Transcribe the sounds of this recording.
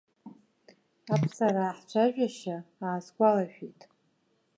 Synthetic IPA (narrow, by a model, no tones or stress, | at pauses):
apʰsaɾaːħt͡ʃʷʰaʒᶣaʃaaːskʷʼalaʃᶣitʼ